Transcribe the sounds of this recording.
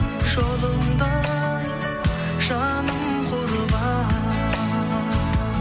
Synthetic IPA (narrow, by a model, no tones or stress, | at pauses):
ʒ̥olˠəmd̪ɑ | j | ʒɑnəm | qʰoɾbɑ